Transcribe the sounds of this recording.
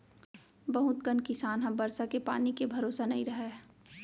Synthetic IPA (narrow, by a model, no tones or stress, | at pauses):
bɐɦʊt̪̚ɡənkɪsaːnɦɐ̃mbɐɾsakepaːnikebʱɐɾoːsanɐɦĩɾɐɦe